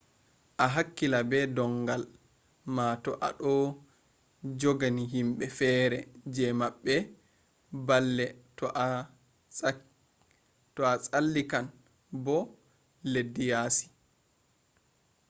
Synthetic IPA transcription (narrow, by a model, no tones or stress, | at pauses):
ʔaɦakːilabɛdɔŋɡal | matɔʔa̰ɗɔ | d͡ʒɔɡaniɦimɓɛfɛːɾɛd͡ʒɛmaɓːɛ | balːɛtɔʔa | tɔat͡sʼalːikan | bɔ | ledːijaːsi̥